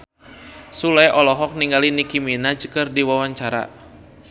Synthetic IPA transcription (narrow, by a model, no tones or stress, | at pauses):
sulajʔɔlɔɦɔk̚niŋɡalinikiminad͡ʒəkərdiwawaɲt͡ʃaɾa̰